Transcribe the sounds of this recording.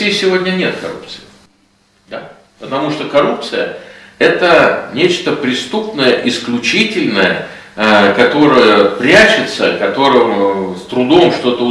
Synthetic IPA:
ijsʲɪvo̞dʲnʲənʲe̞t̪kɐ̰ɾṵp̚t̪sɨ̥ɪ | d̪a | pət̪ɐmuʂt̪okɐɾup̚t̪sɨjəɛt̪ənʲet͡ɕt̪əpɾʲɪst̪upnəjəʔɪsklʲʊt͡ɕitʲɪlʲnəjə | kɐt̪o̞ɾəjəpɾʲæt͡ɕɪt̪sə̰kɐt̪o̞ɾɨmst̪ɾʊd̪o̞mʂt̪o̞t̪əʊ

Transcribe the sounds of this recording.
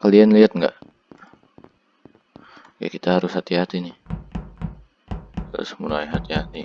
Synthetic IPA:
kəlianliat̪̚ŋɡa̰ʔ | ka̰kit̪aɦaɾʊshat̪iɦat̪ini | a̰smulajɦat̪iɦat̪i

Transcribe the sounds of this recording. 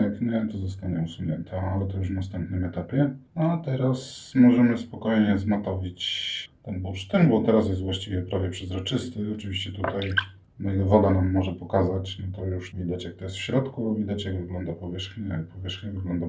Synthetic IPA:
ɛkɲɛt̪ɔzɔst̪aɲɛusumɲɛnt̪ʰɛalɛt̪ɔjuʂ̬nast̪ɛmpnɘmɛt̪apʲjɛat̪ɛɾasmɔʐɛmɘspɔkɔjɲɛzmat̪ɔvʲit͡ɕt̪ɛnbupʂt̪ɛmbɔt̪ɛɾas̬jɛst̪vwaɕt͡ɕivʲɛpɾavʲjɛpʂɛzɾɔt͡ʂɘst̪ɘɔt͡ʂɘvʲiɕt͡ɕɛt̪ut̪aj | majnɛvɔd̪anamːɔʐɛpɔkazat͡ɕnɔt̪ɔjuʂvʲid̪at͡ɕjak̚t̪ɔjɛst̪fɕɾɔt̪kuɔvʲid̪at͡ɕjaɡvɘɡlɔnd̪apɔvʲjɛʂxɲɛ̰pɔvʲjɛʂxɲɛvɘɡlɔnd̪a

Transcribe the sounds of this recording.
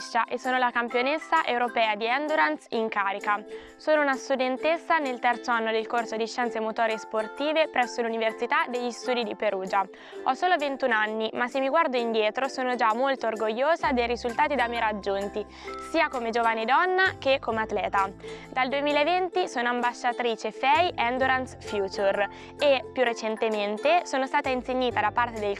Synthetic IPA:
ʃaʔesːoːnolakampjonesːaʔewɾopɛːad̪iɛnd̪uɾansiŋkaːɾika | soːnounast̪ud̪ent̪esːanelt̪ɛrt̪soanːod̪elkorsod̪iʃːɛnt̪semot̪oːɾesport̪iːvepɾɛsːoluniversit̪ad̪eʎːist̪uːd̪id̪ipeɾuːd͡ʒa | ɔsoːlovent̪unanːimasemːiɡward̪oind̪jɛːt̪ɾosoːnod͡ʒamːolt̪oːrɡoʎːoːzad̪ejɾizult̪aːt̪id̪ameɾad͡ʒːont̪i | siːakomed͡ʒoːvaned̪ɔnːak̟ekːomeat̪lɛːt̪ad̪ald̪uemiːlaevent̪isoːnoambaʃːat̪ɾiːt͡ʃefɛjɛnd̪oɾansfjuːt͡ʃur | epːjurːet͡ʃent̪ement̪esoːnost̪aːt̪ainseɲːiːt̪ad̪apart̪ed̪el

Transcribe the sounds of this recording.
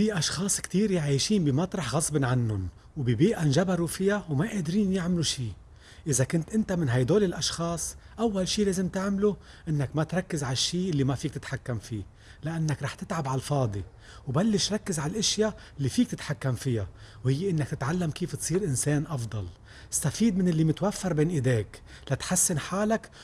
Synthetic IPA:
fiʔɑʃxɑːsˤkt̪iːɾʕaːjʃiːnbɪmat̪ɾˤɑħɣɑsˤbɪnʕanːʊn | wbibiːʔanʒabaɾufɪjawmaʔeːd̪ɾiːnjɪʕmluʃiː | ʔɪzakʊnt̪ʔɪnt̪amɪnɦajd̪oːlɪlʔɑʃxɑːsˤʔawːalʃiːleːzɪmt̪ɪʕmlu | ʔɪnːakmat̪ɾˤɑkːɪzʕaʃːiːʔɪlːimafiːkt̪ɪt̪ħakːamfiː | lɪʔanːakɾˤɑːħt̪ɪt̪ʕabʕalfɑːd̪ˤi | wbalːɪʃɾˤɑkːɪzʕalʔɪʃjaʔɪlːifiːk̚t̪ɪt̪ħakːamfɪjawhɪjːeʔɪnːakt̪ɪt̪ʕalːamkiːft̪sˤiːɾʔɪnseːnʔɑfd̪ˤɑl | ɪst̪afiːd̪mɪnɪlːimɪt̪wafːɑɾˤbeːnʔɪd̪eːk | lat̪ħasːɪnħaːlak

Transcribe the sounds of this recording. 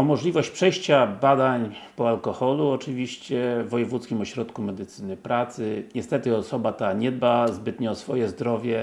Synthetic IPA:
ɔmɔʐlʲivɔɕt͡ɕpʂɛjɕt͡ɕabad̪aɲpɔalkɔxɔluɔt͡ʂɘvʲiɕt͡ɕɛvɔjɛvut̪skʲimɔɕɾɔt̪kumɛd̪ɘt̪sɘnɘpɾat̪sɘɲɛst̪ɛt̪ɘɔsɔbat̪aɲɛd̪̚bazbɘt̪ɲɛɔsfɔjɛzd̪ɾɔvʲjɛ

